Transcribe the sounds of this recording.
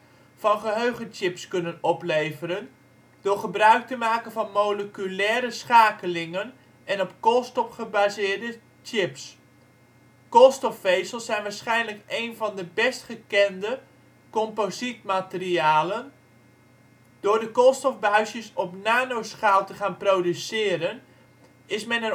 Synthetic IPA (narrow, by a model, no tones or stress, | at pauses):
v̥ɑnχəɦøɥχənt͡ʃɪpskɵnənɔplejvəɾən | dʊːɹχəbrœɥk̚təmaːkənvɑnmoləkylɛːɾəsχaːkəlɪŋən | ɛnɔpkɔlˠstɔfχəbazɪːɹdə | t͡ʃɪps | kɔlˠstɔfːejsəl̩ˠsɛjnʋaːɹsχɛjnləkejnvɑndəbɛstχəkɛndə | kɔmpozitmatəriaːlən | d̥ʊːɹdəkɔlˠstɔfbaɥsjəsɔpnaːnowsχaːlˠtəχaːnprowdysɪːɾən | ɪsmɛnɛ